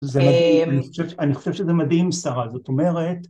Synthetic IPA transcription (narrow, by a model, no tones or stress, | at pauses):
zemaianiχo̥ʃevaniχo̞ʃevʃezemad̪himsaʁazo̞t̪o̞me̞ʁet̪